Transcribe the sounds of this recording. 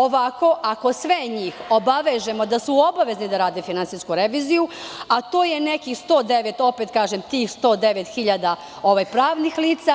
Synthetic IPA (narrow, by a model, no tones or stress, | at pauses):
o̞ʋako̞ʔako̞sʋeɲiːxo̞baʋeʒe̞mo̞d̪asuo̞baʋe̞znid̪aɾaːd̪efinansiskuɾe̞ʋiːzijuat̪oːjene̞kixst̪o̞ːd̪e̞ʋe̞t̪o̞pet̪kaːʒemt̪iːxst̪o̞ːd̪e̞ʋet̪xiʎad̪a | o̞ʋajpɾaːʋnixliːt̪sa